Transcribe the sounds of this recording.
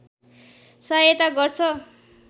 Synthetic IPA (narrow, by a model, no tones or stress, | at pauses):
sajet̪aɡʌrt͡sʰʌ